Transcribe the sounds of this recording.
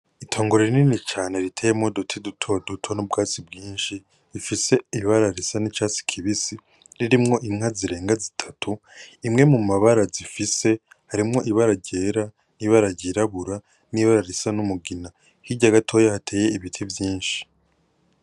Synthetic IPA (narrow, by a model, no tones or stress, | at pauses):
itʰo̞ːŋɡoɾeɾininit͡ʃaːne̞ɾitʰeːjemŋo̞dotʰidutʰo̞dutʰo̞nobɡaːt͡sibɡiːnʃi | ɾifise̞iβaɾaɾisanit͡ʃaːsi̥kʰiβisi | ɾiɾimŋo̞ʔiŋ̥aziɾe̞ːŋɡazitʰḁtʰu | imŋe̞mumaβaɾazifise̞ | haɾimŋo̞ʔiβaɾaɾɟe̞ːɾa | niβaɾaɾɟiɾaβuɾa | niβaɾaɾisanumuɡina | hiɟaɡatʰo̞ːjahatʰe̞ːje̞iβitʰivjiːnʃi̥